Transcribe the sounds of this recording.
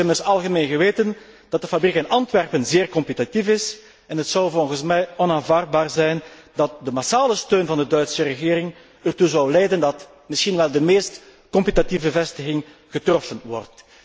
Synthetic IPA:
ɛmɪsɑlˠɣəmeːnɣəʋeːtən | d̥ɑt̚dəfabrikənɑntʋɛrpənzeːrkɔmpitatifɪs | ɛnɦətsɔwvɔlˠɣənsmɛjɔnaːnvaːrd̚baːrzɛjndɑt̚dəmasaːləstøːnvɑndədœɥtsərəɣɪːɾɪŋ | ərtuzɔwlɛjdəndɑt | mɪsxinʋɛlˠdəmeːst | kɔmpitativbəvɛstəɣɪŋ | ɣətrɔfənʋɔ̰rt

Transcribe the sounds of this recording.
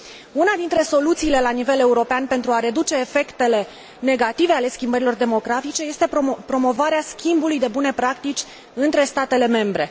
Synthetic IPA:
unad̪int̪ɾe̞so̞lut̪siːle̞lanive̞le̞uɾo̞peanpe̞nt̪ɾuaɾe̞d̪ut͡ʃe̞ːfe̞kt̪e̞le̞ | ne̞ɡat̪ive̞ale̞skʲimbəɾilo̞rd̪e̞mo̞ɡɾafit͡ʃe̞je̞st̪e̞pɾo̞mo̞vaɾeaskʲimbulujd̪e̞bune̞pɾakt̪it͡ʃʲ | ɨnt̪ɾe̞st̪at̪e̞le̞me̞mbɾe̞

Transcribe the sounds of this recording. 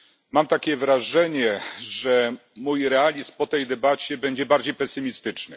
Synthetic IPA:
mamt̪akʲɛvɾaʐɛɲɛʐɛmujɾɛalʲispɔt̪ɛjd̪ɛbat͡ɕɛbɛɲd͡ʑɛbaɾd͡ʑejpɛsɘmʲist̪ɘt͡ʂnɘ

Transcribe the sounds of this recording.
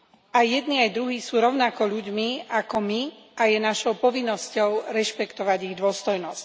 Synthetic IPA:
ʔajːɛd̪niajd̪ɾuɦiːsuːɾɔʊnakɔʎuɟmiakɔmi | ʔajɛnaʃɔʊpɔʋinːɔscɔʊɾɛʃpɛkt̪ɔʋaɟiɣd̪ʊɔst̪ɔjnɔsc

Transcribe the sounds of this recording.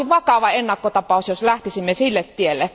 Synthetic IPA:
iʋɑkɑʋɑenːɑkːot̪ɑpɑˑusjoslæht̪isimːesilːet̪t̪ielːe

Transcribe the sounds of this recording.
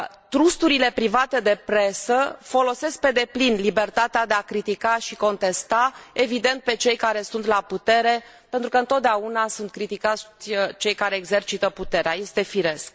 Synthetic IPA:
t̪ɾust̪uɾile̞pɾivat̪e̞d̪e̞pɾe̞səfo̞lo̞se̞sk̚pe̞d̪e̞plinlibe̞rt̪at̪ead̪eakɾit̪ikaʃiko̞nt̪e̞st̪ae̞vid̪e̞nt̪̚pe̞t͡ʃe̞jkaɾe̞sunt̪laput̪e̞ɾe̞ | pent̪ɾukəɨnt̪ot̪d̪eaunasunt̪̚kɾit̪ikat̪sʲt͡ʃe̞jkaɾe̞ːɡze̞rt͡ʃit̪əput̪e̞ɾeaje̞st̪e̞fiɾe̞sk

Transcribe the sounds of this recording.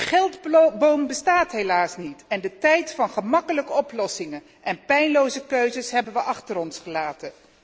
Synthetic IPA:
χɛlˠdbowmbəstaːtɦejlaːsnitɛndətɛjtfɑnχəmɑkələkəɔplɔsɪŋən | ʔɛnpɛjnlowzəkøɥzəsɦɛbənʋəʔɑχtəɾɔnsχəlaːtən

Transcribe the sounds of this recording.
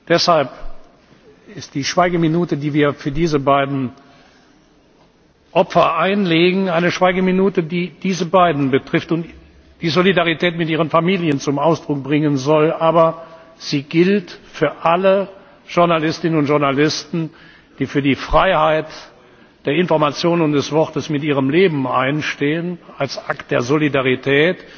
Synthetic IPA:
d̥ɛshalp | ɪstd̥iːʃv̥aɪɡəminuːtədiːviːɐfyːɐdiːzəbaɪdn̩ | ʔɔpfɐʔaɪnleːɡŋ̩aɪnəʃv̥aɪɡəminuːtədiːd̥iːzəbaɪdn̩bətʁ̥ɪftʊnt | d̥iːzolidaʁitɛːtmɪtʔiːʁ̞ənfamiːljənt͡sʊmaʊsd̥ʁʊk̚b̥ʁɪŋənzɔlʔaːbɐ | z̥iːɡɪltfyːɐʔalə | ʒ̥ʊɐnalɪstɪnənʊntʒ̥ʊɐnalɪstn̩ | d̥iːfyːɐdiːfʁ̥aɪhaɪt | d̥eːɐɪnfɔɐmat͡sjoːnʊnd̥ɛsv̥ɔʁtəsmɪtiːʁəmleːbm̩a̰ɪnʃteːənalsʔakt̚d̥eːɐzolidaʁitʰɛːt

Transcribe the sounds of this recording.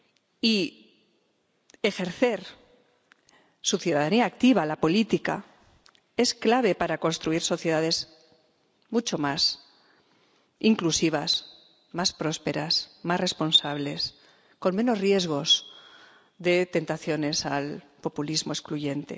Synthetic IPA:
i | e̞xe̞ɾθe̞ɾ | suθjuðaðaniaːk̚t̪iβ̞alapo̞lit̪ika̰ | e̞sklaβ̞e̞paɾako̞nst̪ɾuiɾso̞θje̞ð̞aðe̞z | mut͡ʃo̞mas | iŋklusiβ̞as | maspɾo̞spe̞ɾasmasre̞spo̞nsaβle̞s | ko̞nmẽ̞no̞zrje̞zɣo̞s | ðe̞t̪e̞nt̪aθjo̞ne̞sal | po̞pulizmo̞eskluʝe̞nt̪e̞̰

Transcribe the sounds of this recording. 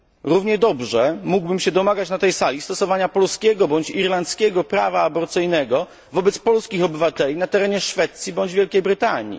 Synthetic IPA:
ɾuvɲɛd̪ɔbʐɛmuɡbɘmɕɛd̪ɔmaɡat͡ɕnat̪ɛjsalʲist̪ɔsɔvaɲapɔlskʲɛɡɔbɔɲt͡ɕiɾlant̪skʲɛɡɔpɾa̰vaːbɔɾt̪sɘjnɛɡɔ | vɔbɛt̪spɔlskʲixɔbɘvat̪ɛlʲinat̪ɛɾɛɲɛʂfɛt̪sʲjibɔɲd͡ʑvʲjɛlkʲejbɾɘt̪aɲḭ

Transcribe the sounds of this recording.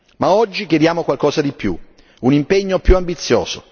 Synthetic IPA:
maɔd͡ʒːikjed̪jaːmokwalkɔːzad̪ipjṵ | unimpeɲːopjuambit̪sːjɔ̰ːz̥o

